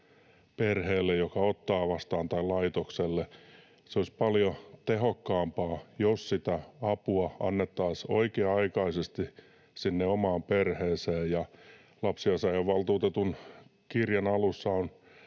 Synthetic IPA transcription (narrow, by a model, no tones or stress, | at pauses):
perheːlːejokɑot̪ːɑːʋɑst̪ɑːnt̪ɑilɑit̪okselːe | seoispɑljot̪eɦokːɑːmpɑːjossit̪æɑpuɑɑ̰nːet̪ːɑːso̰ikeːɑikɑisest̪i | sinːeomɑːmperheːseːjjɑ | lɑpsiɑsɑioʋʋɑlt̪uːt̪et̪unkirjɑnɑlusːɑon